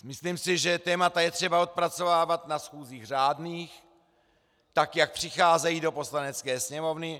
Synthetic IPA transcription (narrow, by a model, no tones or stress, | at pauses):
mɪslimsɪʒɛt̪ɛːmat̪ajɛt̪r̝̥ɛbao̞t̪̚pɾat͡so̞vaːvat̪nasxuːziːɣr̝aːdniːx | t̪akjak̚pr̝̥ɪxaːzɛjiːdo̞po̞slanɛt͡skɛːsɲɛmo̞vnɪ